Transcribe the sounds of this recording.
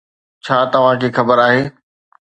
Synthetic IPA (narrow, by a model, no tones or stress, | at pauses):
t͡ɕʰaːt̪ɐʋ̤ãkʰeːxɐbəɾaːɦeː